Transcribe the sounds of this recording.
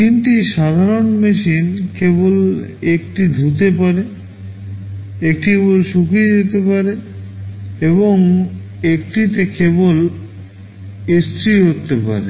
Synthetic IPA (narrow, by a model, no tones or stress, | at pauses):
t̪inʈiʃad̪ʱaɾonmeʃinkebol | ek̚ʈid̪ʱut̪̬epaɾe | ek̚ʈiebolʃukid͡ʑet̪epaɾe | eboŋ | ek̚ʈit̪ekebol | ist̪ɾiɦot̪ːepa̰ɾḛ